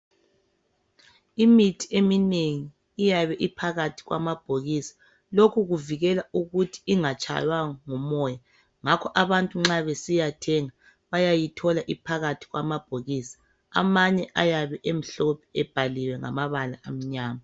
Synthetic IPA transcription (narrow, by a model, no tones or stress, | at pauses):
imitʰi̥emineŋiː | jaβɛʔipʰaɣatʰi̥ɣwa̰mab̥ʱoɣisḁ | lokʰuɣuviɣɛlauɣutʰi̥iŋat͡ʃʼʰa̰jwaŋɔmɔːja | ŋakʰɔʔaβantʼuŋ͡ǁaβesijatʰɛŋa | βajajitʰɔlaʔipʰaɣatʰi̥ɣwa̰mab̥ʱoɣiːsḁ | a̰maɲɛʔajaβɛʔem̩ɬɔpʰɛ̥ɛb̥ʱaliwɛŋa̰maβalaʔam̩ɲaːma